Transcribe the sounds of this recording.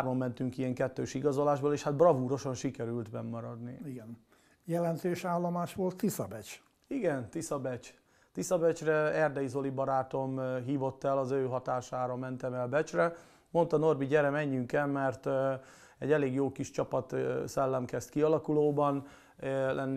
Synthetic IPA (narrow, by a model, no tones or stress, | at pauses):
rmɒmːɛnt̪yŋkijɛŋkɛt̪ːøːʃiɡɒzo̞laːʒboleːʃhad̪̚brɒvuːɾo̞ʃɒnʃikɛɾylt̪mɛmːɒɾɒd̪niiɡɛn | jɛlɛnt̪øːʃaːlːomaːʃʋo̞lt̪ːisɒbɛt͡ʃ | iɡɛnt̪isɒbɛt͡ʃ | t̪isɒbɛt͡ʃrɛɛrd̪ɛizo̞libɒɾaːt̪o̞mɦiːvo̞t̪ːɛlɒzøːɦɒt̪aːʃaːɾɒmɛnt̪ɛmɛlbɛt͡ʃrɛ | mo̞nt̪ɒno̞rbiɟɛɾɛmɛɲːyŋkɛmɛrt̪ | ɛ̰ɟɛleːɡjoːkiʃt͡ʃɒpɒt̪sɛlːɛmkɛst̪kiɒlɒkuloːbɒn | lʔɛnː